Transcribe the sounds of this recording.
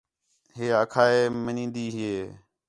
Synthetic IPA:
ɦeːəkʰaːeːmənĩːnd̪iːɦɪeː

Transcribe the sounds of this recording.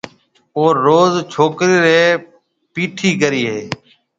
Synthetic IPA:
oːoːzt͡ʃʰoːkɾiːɾeː | piːʈʰiːkəɾiːɦeː

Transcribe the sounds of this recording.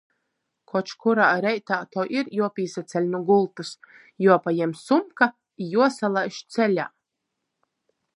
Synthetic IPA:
kʰɔt͡ʃkuɾaːɾɛjt̪aːt̪ɔwʔiɾjuɔpʲiːsat̪sʲɛlʲnuɡulˠt̪us | juɔpajɛmsumka | juɔsalˠajʃt̪sɛlʲa̰ː

